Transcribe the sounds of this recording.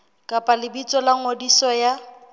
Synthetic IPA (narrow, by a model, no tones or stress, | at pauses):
kʼapʼalɪbit͡sʼɔlaŋodisɔja